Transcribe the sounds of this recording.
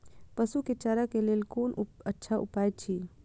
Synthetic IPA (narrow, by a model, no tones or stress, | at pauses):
pəsuket͡ʃaɾakeleːlkoːnətːʃʰaʔupaːjt͡ʃʰi